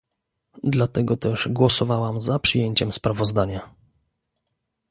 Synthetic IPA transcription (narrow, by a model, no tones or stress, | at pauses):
d̪lat̪ɛɡɔt̪ɛʐɡwɔsɔvawamzapʂɨjeɲt͡ɕɛmspɾavɔzd̪aɲa